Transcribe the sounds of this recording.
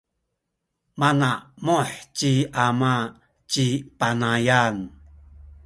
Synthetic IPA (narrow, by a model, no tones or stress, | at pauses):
manamoħciama | t͡ʃipanajan